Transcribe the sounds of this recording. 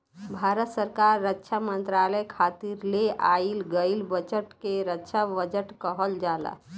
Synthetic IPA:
bʱaɾət̪səɾkaɾːətːʃʰamənt̪ɾaləjkʰat̪iɾleʔa̰ilɡəilbət͡ʃəʈkeɾətːʃʰabəd͡ʒəʈkəɦəld͡ʒala̰

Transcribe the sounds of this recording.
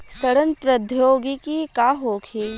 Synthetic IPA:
sɐɾənpɾɐd̪ʱjoːɡikikaːɦoːkʰeː

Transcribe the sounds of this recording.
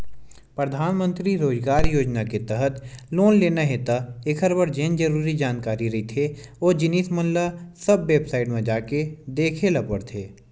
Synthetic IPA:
pɾəd̪ʱaːnmə̃nt̪ɾiɾoːzɡaːɾjoːd͡ʒnaket̪ɛɦət̪loːnleːnaɦet̪aɪkʰəɾbəɾd͡ʒeːnd͡ʒəɾuːɾid͡ʒaːnkaːɾiɾɐɦit̪ʰeoːd͡ʒɪniːsmə̃nlasəbːeːbsaːɪʈmẽd͡ʒaːked̪eːkʰelɐpəɽt̪ʰeː

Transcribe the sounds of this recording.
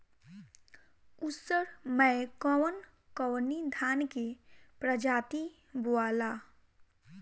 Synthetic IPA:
usəɾməkɔwn | kɔwnid̪ʱaːnkepɾəd͡ʒaːt̪i | buaːla

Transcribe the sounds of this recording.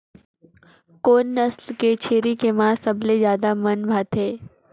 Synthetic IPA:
konːəslket͡ʃʰeːɾikemãsəbled͡ʒjaːd̪amənbʱat̪ɦeː

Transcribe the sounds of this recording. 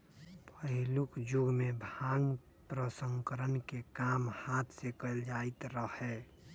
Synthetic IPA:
pəɦɪlʊkd͡ʒʊɡmebʱaŋɡ | pɾəsə̃ŋkəɾənkekaːmhaːt̪ʰsekəld͡ʒaɪt̪ɾəɦɛ

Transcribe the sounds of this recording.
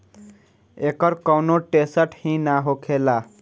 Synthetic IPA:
ekʌɾkʌwnoʈesəʈhĩnaɦokʰela

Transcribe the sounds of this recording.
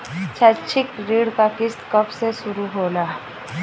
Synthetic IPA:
t͡ʃʰat͡ʃʰɪkɾiːɽkakɪst̪kəpseʃʊɾuɦoːlaː

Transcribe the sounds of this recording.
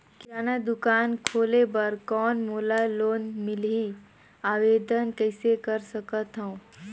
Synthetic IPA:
kaːnad̪ʊkaːnkʰoːlebəɾkɔːnmuːlaloːnmɪlɦi | aːʋeːd̪ənkəɪsekəɾsəkət̪ɦə̃

